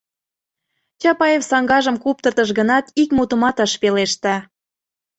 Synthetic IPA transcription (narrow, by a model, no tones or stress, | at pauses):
t͡ɕɑpɑjefsɑŋɡɑʒə̆mkup̚t̪ərt̪əʃɣənɑt̪ikmut̪ə̆mɑt̪əʃpeleʃt̪æ